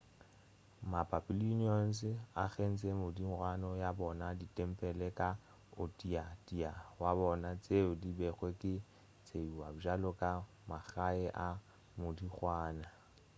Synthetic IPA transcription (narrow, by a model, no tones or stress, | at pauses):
mapʼapʼiluniɔn̩sɪaχen̩t͡sʼɛmʊdiŋ̩rwanɔjabɔnaditʼɛm̩pʼɛlɛkʼa | ʊtʼiatiawabɔnat͡sʼeʊdibɛχwɛkʼɪ | t͡sʼeuwabʊʒalɔkʼa | maɣaɛʔa | mʊdiχwaːna